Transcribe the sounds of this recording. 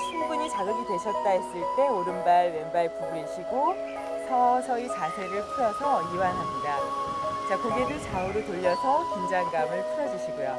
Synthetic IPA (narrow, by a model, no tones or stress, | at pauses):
t͡ɕʰunbuɲit͡ɕaɡʌɡitwe̞ɕʰʌt̚t͈ais͈ɯɭt͈e̞oɾɯnbaɭwe̞nbapuɡiɕʰiɡo | sʰʌsʰʌit͡ɕasʰe̞ɾɯɭpʰuɾʌsʰʌiwanɦamɲida | t͡ɕakʌɡedɯt͡ɕaɯɾotoʎːʌsʰʌkind͡ʑaŋɡamɯɭpʰɯɾʌd͡ʑuɕʰiɡojo̰